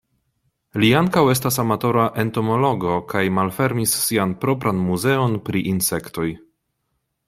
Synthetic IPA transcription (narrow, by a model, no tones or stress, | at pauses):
liaŋkawe̞s̬tasamato̞ɾaʔe̞nto̞mo̞lo̞ɡo̞kajmalfe̞ɾmisːianpɾo̞pɾʔanmuze̞o̞npɾiʔinse̞kto̞j